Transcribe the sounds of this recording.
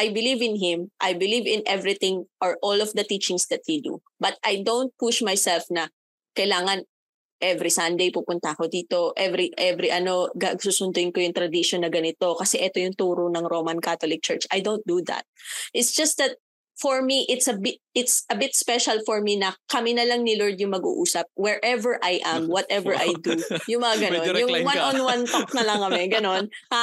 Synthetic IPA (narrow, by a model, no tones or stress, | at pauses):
ʔajbɪlivɪ̃nɦɪmʔajbɪlivɪ̃nʔɛvɹit̪ɪ̃ŋʔɐɹʔolɔvd̪ɐt̪it͡ʃɪ̃ŋsd̪ɐt̪̚hid̪ṵ | bɐt̪̚ʔajd̪õwnt̪̚puʃmajsɛlfnɐ | kɐjlaːŋɐn | ʔɛvɾisɐ̃nd̪ejpupʊnt̪ɐkod̪iːt̪o̞ʔɛvɾiʔɛvɾiʔɐno̞ɡɐʔɐɡsuːsʊnd̪ʊɪnkojʊŋt̪ɾɐd̪iʃonːɐɡɐnɪt̪o̞kɐsɛʔɛt̪ojʊŋt̪uːɾʊnɐŋɾoːmɐnkat̪olɪk̚t͡ʃɛɹt͡ʃʔɐjd̪ownt̪̚d̪uðɐ̰t̪̚ʔɪt̪sd͡ʒ̥ɐst̪̚d̪ɐt̪̚ | fɔɹmiʔɪt̪sɐbɪt̪̚ɪt̪sɐbɪt̪̚spɛʃɐlfɔɹminɐkɐminɐlɐŋnɪlɔɹd̪̚jʊŋmɐɡṵːʔuːsɐp̚wɛɹʔɛvɛɹʔajʔɐmwɐt̪ʔɛvɛɹʔajd̪ujʊŋmɐŋaɡɐnonjʊŋwanɔnwant̪ak̚nɐlɐŋkɐmɛɡɐno̞n | ha